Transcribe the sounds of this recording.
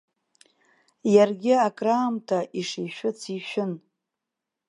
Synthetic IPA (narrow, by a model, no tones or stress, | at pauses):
jarɡʲɪakʼraːmtʰaʔiʂiʃᶣʊt͡sʰiʃᶣʊn